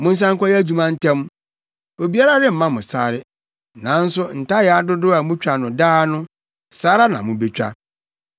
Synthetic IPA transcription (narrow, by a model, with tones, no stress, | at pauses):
mʊ̃˦n̩˦s̬ã˦ŋkʰʷɔ˦jɛ˦æ˦d͡ʑu˦mã˦n̩˦tʰɛ̃˦m˦ | o˨bi˦a˦ɾa˦dɪ˦m̩˦mã˦mʊ̃˨saː˨ɾɪ˦ | nã˨˦n̩˦sʊ˦n̩˨ta˦jɛ˨a˨dʊ˦dʊ˦a˨mʊ̃˦t͡ɕᶣʰa˨nʊ̃˨daː˦nʊ̃˦ | saː˦ɾa˦nã̰˨mʊ̃˨be˦t͡ɕᶣa̰˦